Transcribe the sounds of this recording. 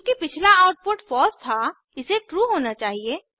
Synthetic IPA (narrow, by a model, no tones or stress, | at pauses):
kipɪt͡ʃʰlaaːʊʈ̚poːʈfɔːst̪ʰa | ɪseʈɾuːɦoːnat͡ʃaːɦieː